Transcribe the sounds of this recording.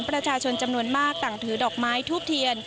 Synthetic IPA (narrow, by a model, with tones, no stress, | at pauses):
ŋpɾa˧t͡ɕʰaː˧t͡ɕʰo˧nt͡ɕa˧mnu˧ənmaː˥˩k̚t̪a˨˩ŋt̪ʰɯː˩˦dɔː˨˩k̚maː˦˥jt̪ʰuː˥˩p̚t̪ʰi˧ən